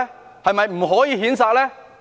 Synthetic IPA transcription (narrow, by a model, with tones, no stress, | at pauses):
hɐ˨jmɐ˨jm̩˨˩ɦɔː˨˥jiː˨˧ɦiː˨˥nsaː˧k̚lɛː˥